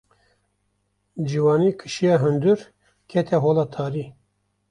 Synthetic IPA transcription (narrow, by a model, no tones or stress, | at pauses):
d͡ʒiwɑːniːkʰɨ̥ʃijɑːɦɨnd̪ɨɾ | kʰɛt̪ʰɛɦoːlɑːt̪ʰɑːɾiː